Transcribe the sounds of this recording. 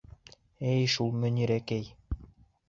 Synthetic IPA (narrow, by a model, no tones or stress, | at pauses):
ɘjʃulˠmɵ̆niɾækæj